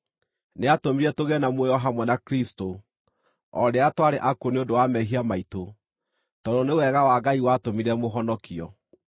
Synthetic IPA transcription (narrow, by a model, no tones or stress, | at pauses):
neatomiɾɛtoɣɛnamwɛjɔɦamwɛnakɾisto | ɔɾeatwaɾeʔakoneondowamɛɦiamaito | tɔdonewɛɣawaɡaiwatomiɾɛmoɦɔnɔkiɔ̰